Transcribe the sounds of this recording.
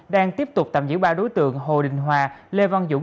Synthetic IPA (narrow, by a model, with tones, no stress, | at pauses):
ɗaː˧ŋt̪i˦˥əp̚t̪ʊ˨˩k͡p̚t̪aː˨˩mzɨ̰˧˥˩wɓaː˧wɗo˨˦jt̪ɨ̰˧˨əŋɦo̰˧˨ɗï˨˩ŋ̟ɦwaː˨˩le˧va˧ŋzṵ˧˩